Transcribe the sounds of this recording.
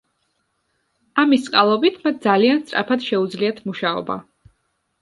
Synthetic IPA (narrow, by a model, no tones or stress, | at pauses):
amist̪sʼqʼalˠɔbit̪ʰmat̪̚ʰd̪zalianst̪sʼɾa̰pʰat̪ʃɛud̪zliat̪ʰmuʃaɔ̰ba̰